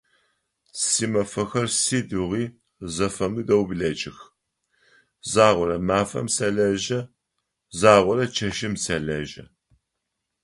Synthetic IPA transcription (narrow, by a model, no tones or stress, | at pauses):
siːmɐfɐxɐrsiːdɨʁiː | zɐfɐmɨdɐwbɮɐt͡ʃʼɪx | zaːʁʷɔɾɐmaːfɐ̰msɐɮɐʒɐ | zaːʁʷɔɾɐt͡ʃʰɐʃɪmsɐɮɐʒɐ̰